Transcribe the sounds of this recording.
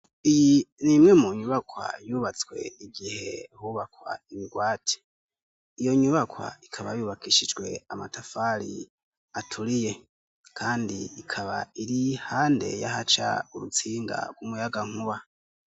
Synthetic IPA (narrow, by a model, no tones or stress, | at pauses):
ijinimŋe̞muɲuβakwa̰juːβat͡swe̞̰iɡihe̞̰huβakwa̰imiɡwaːtʰi̥ | ijo̞ɲuβakwa̰ikʰaβajuːβakʰiʃid͡ʒɡwe̞̰amatafaɾḭ | atʰuɾije̞ | kʰaːndiikʰaβa̰iɾihaːnde̞̰jaɦat͡ʃa̰uɾut͡siːŋɡa̰ɡ̥wumujaɡaŋ̥huβa